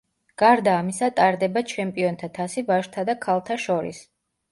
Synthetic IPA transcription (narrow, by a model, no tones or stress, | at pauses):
ɡ̥aɾd̪aːmisat̪ʼaɾd̪ɛbat͡ʃʰɛmpʼiɔnt̪ʰat̪ʰasivaʃt̪ʰad̪akʰalˠt̪ʰaʃɔɾḭs